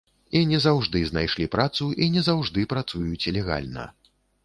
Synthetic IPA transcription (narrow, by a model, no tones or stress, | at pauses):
inʲɛzawʐd̪ɨznajʂlʲipɾat̪suʔinʲɛzawʐd̪ɨpɾat̪sujut͡sʲlʲɛɣa̰lʲnɐ̰